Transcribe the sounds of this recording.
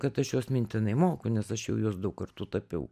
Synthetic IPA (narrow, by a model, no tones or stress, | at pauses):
kɐt̪ɐʃjuːsmʲɪnʲt̪ʲɪnɐɪmoːkʊnʲɛsɐʃjɛʊjuːsd̪ɐʊkkɐrt̪uːt̪ɐpʲɛʊ